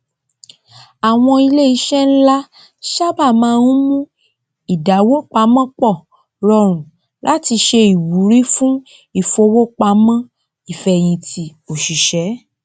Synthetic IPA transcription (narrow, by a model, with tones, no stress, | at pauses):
a˨w̃ɔ̃˧i˧le˦i˨˧˦ʃɛ˦n̩˦la˦ | ʃa˦ba˦˨mãː˨˦˧nũ˦mũ˦ | i˦˨da˨˦wo˦k͡pa˧˦mã˦k͡pɔ˦˨ | ɾɔ˧ɾ̃ũ˨ | lʔa˨˦ti˧ʃe˧i˨wu˨˦ɾi˦fũ˦ | i˦˨fo˧wo˦k͡pa˧˦mã˦ | i˦˨fɛ˧j̃ĩ˧tʰi˧o˨ʃi˨ʃɛ˨˦